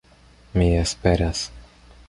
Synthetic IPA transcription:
mʲijɛspɛɾʲas

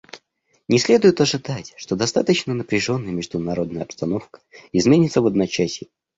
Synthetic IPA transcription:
nʲɪsʲlʲe̞d̪ʊjɪt̪ɐʐɨd̪atʲʂt̪o̞d̪ɐst̪at̪ət͡ɕnənəpɾʲɪʐo̞nːəjəmʲɪʐd̪ʊnɐɾo̞d̪nəjəɐpst̪ɐno̞fkə̥ɪzmʲenʲɪt̪səvəd̪nɐt͡ɕæsʲɪ

